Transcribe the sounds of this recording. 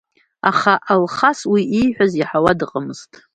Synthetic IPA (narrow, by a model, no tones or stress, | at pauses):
a̰χaʔalχaswiʔijħʷᶣaziħawadɨqʼəmɨz̥tʼ